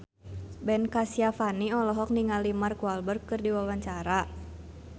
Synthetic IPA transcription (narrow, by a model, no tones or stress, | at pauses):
bɛnkasiafaniɔlɔɦɔk̚niŋalimarkualbərkɨrdiwawaɲt͡ʃaɾa